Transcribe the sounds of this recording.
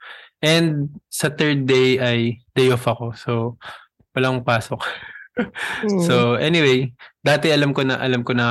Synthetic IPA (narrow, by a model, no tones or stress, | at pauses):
ʔɛnd̪̚sɐt̪ɛɹd̪̚ːejʔɐjd̪̥ɛjofɐko̞so̞ | wɐlaŋŋpaːsok | soʔɛnɪwejd̪aːt̪ɛɐlɐmkonɐʔɐlɐmkonɐ